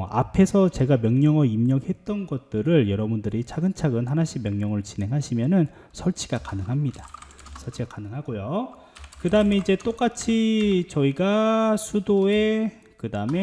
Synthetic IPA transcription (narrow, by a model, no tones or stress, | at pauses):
a̰pʰe̞sʰʌt͡ɕe̞ɡamjʌŋɲʌŋʌimɲʌɡhe̞t̚t͈ʌnɡʌt̚t͈ɯɾɯɭjʌɾʌbundɯɾit͡ɕʰaɡɯnt͡ɕʰaɡɯnɦanaɕ͈ʰimjʌŋɲʌŋɯɭt͡ɕine̞ŋɦaɕʰimjʌnɯn | sʰʌɭt͡ɕʰiɡ̥akanɯŋɦamɲida | sʰʌɭt͡ɕʰiɡakanɯŋɦaɡojo | kɯdaɯme̞id͡ʑe̞t͈ok͈at͡ɕʰit͡ɕʌiɡasʰudoe̞ | kɯdaɯme̞